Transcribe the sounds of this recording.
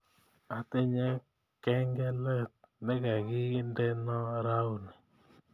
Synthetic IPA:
a˨t̪ɪ˦ɲɛ˦ | kɛ˦ŋɡɛ˦lɛ˦t̪̚nɛ˦ka˨ɡɪ˦ndɛ˦nɔ˦ɾa˦u˦˨nɛ˨

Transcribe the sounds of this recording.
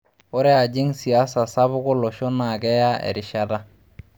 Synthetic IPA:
o˦ɾɛ˦a˨d͡ʒi˦ŋsi˨a˦sa˨sa˦βʊ˦ko˦lo˨ʃo˦na˨ɡɛ˦ja˦ḛ˨ɾi˨ʃa˦da˦

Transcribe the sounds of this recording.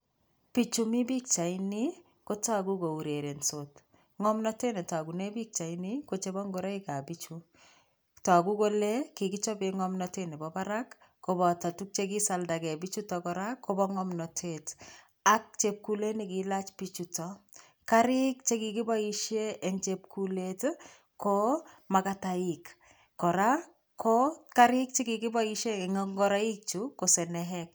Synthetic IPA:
pit͡ʃu˨mi˦bi˦k̚t͡ʃa˨ini˦ | ko˦ta˦ku˦ko˨u˨ɾe˨ɾe˨nsot | ŋɔ˦mnɔ˦te˦ne˨ta˨ɡu˨ne˦bi˦k̚t͡ʃa˨ini˦ko˨t͡ʃe˦bɔ˦ŋɡoɾa˦ika˨bit͡ʃu | ta˨ku˦ko˦le˦ki˨ki˦t͡ʃɔ˦beŋɔmnɔte˦ne˨bɔba˦ɾakː | o˨bɔ˨ta˨tu˦k̚t͡ʃe˦ki˦sa˨lda˨kɛ˨bit͡ʃu˦tɔkɔ˦ɾa˦kʰːo˦bɔŋɔmnɔ˨tʰet | a˦k̚t͡ʃep̚ku˨le˦nikila˦t͡ʃpit͡ʃutɔ | kaɾikt͡ʃe˦kiki˦bɔ˦i˦ʃe˦ʔːŋt͡ʃep̚kulet | ko | makata˨ik | kːɔ˨ɾa | kʰokaɾi˦k̚t͡ʃe˦kiki˦bɔ˦iʃe˦ŋɔŋɡɔɾa˦i˦k̚t͡ʃuko˨sɛ˨nɛɦɛk̚

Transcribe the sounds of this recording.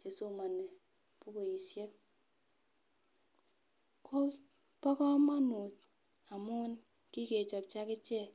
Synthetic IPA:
t͡ʃe˨so˦˨ma˨nːe˨ | pu˦ko˨i˨sje˦ | k | pɔ˦kɔ˦ma˦nu˨t | a˨mu˦n | ki˦ke˨t͡ʃɔ˨p̚t͡ʃa˦ke˦t͡ʃe˦˨

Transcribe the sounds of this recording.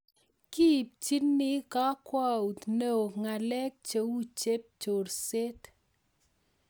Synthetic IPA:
ki˦p̚t͡ʃi˦ni˦ka˦kwa˦u˨t̪nə˦˨o˨ŋa˨lɛ˦k̚t͡ʃə˨˦wu˦t͡ʃe˦p̚t͡ʃo˨ɾse˦t̪

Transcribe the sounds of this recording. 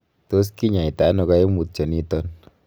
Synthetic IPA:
to˦s̬ki˦ɲa˨i˨ta˨˦nɔ˧ka˦je˦mu˨t̚t͡ʃɔ˨ni˦tɔ˦n

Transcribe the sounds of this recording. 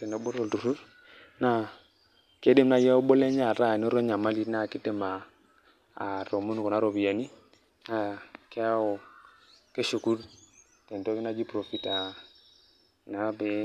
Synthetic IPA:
e˨ne˨bo˦ɾo˦˨ldu˨ɾu˦ɾ | na˨ | ke˦de˦mna˨ja˦o˦bo˦le˦ɲa˨ɾa˦˨n˦ɔ˦ɾɔ˦ɲa˨ma˦li˦tna˦˨kɪ˦te˦maː˨ | ɾo˨mu˦n˨kɔ˨na˦ɾo˨bi˨ja˨ni˦ | na˨ke˦a˦o˨ | ke˦ʃu˨ku˦ɾ | tɛ˨nto˦ki˦na˦d͡ʒi˦pɾo˨fi˦ta˨ | na˨˦bɪ˦

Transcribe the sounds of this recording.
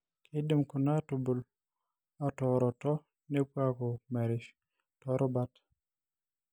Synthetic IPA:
kʰe˦de˨mku˨na˦to˨bo˨l | a˨tɔ˨ɾɔ˨tɔ˦ | ne˦pwa˦kɔ˨mɛ˨ɾɪ˨ʃ | tɔ˦ɾʔɔ˦ba˦t

